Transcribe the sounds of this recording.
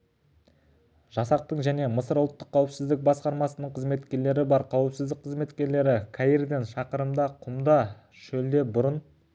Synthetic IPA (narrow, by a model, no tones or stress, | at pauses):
ʒ̥ɑsɑq̚t̪əɴʒæne̞məsəɾʊlˠt̪ːəqʰːɑwɪpsɪzd̪ɪk̚bɑsqɑɾmɑsənəɴqʰəzme̞t̪kʲe̞ɾle̞ɾɪbɑɾqʰɑwɪpsɪzd̪ɪk̚qʰəzme̞t̪kʲe̞ɾle̞ɾɪkʰaiɾd̪enʃɑqəɾəmd̪ɑqʰʊmd̪ɑ | ʃɵld̪e̞bʊɾən